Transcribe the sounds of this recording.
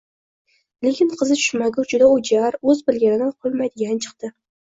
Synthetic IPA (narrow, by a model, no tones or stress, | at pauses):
lekʲʰɪnqʰɨzɪt͡ʃʰʊ̥ʃmaɡʲʊd͡ʒʊd̪aʊd͡ʒaɾɵzbɪlɡʲanɪnɪqʰolˠmajd̪ɪɡʲant͡ʃʰɨ̥qt̪ɪ